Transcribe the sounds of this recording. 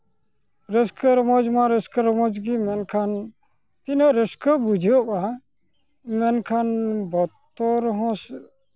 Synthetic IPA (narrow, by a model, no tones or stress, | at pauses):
ɾəskʰəɾɔmɔd͡ʒmaɾəskəɾmɔd͡ʒɡimɛnkʰan | t̪inəɾəskəbud͡ʒʱiɔʔa | mɛnkʰanbɔt̪ːɔɾɦɔ̃s